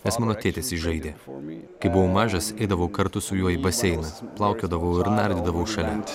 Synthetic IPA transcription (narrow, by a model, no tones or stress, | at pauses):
nʲɛsmɑːnoːt̪ʲeːt̪ʲeːsɪʒɐɪd̪ʲeːkɐɪbʊʋɐʊmɑːʒɐsɛɪd̪ɐʋoʊkɐɾt̪ʊsʊjuɔibɐsʲɛɪnɐplˠɑʊkʲoːd̪ɐʋoʊɪɾnɐɾʲd̪ʲɪd̪ɐʋoʊʃɐlʲɛ